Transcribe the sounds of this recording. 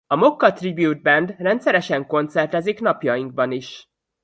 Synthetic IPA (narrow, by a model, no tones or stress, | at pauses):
ɒmo̞kːɒt̪ribjuːd̪̚bɛnd̪rɛnt̪sɛɾɛʃɛŋko̞nt̪sɛrt̪ɛziknɒpjɒjiŋɡ̚bɒniʃ